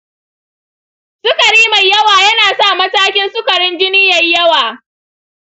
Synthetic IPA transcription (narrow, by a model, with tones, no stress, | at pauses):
sʊ˦kɐ˨ɽiː˦ma˨jɐ˦waː˨jɐ˦naː˨saː˦˨mɐ˦taː˦kʲɪ˦nsʊ˦kɐ˨ɽɪ˦nd͡ʒɪ˦nɪ˦jɐ˨jjɐ˦waː˨